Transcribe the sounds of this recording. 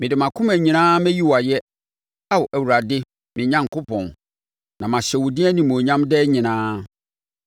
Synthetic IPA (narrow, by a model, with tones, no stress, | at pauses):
mɪ̃˨dɪ˨mã˨kʰʊ̃˦mæ̃˨ɲĩ˨nãː˦mɛ̃˦ji˦wɔ˨a˨jɛ˦ | a˦wɔ˨ʔæ˨wu˨ɾa˨dɪ˦ | mɪ̃˨ɲã˦ŋ˨kʰʊ˦pʰɔ̰̃˨n | nã˨mã˨ɕɛ˨wʊ˨dĩ˦æ˦nĩ˨m˨o˨ɲã˦mdɛ˦ɲɪ̃˨nãː˦